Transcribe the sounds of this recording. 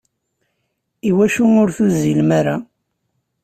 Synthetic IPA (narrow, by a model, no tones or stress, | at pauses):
iwæʃunʊɾθuzilmaɾa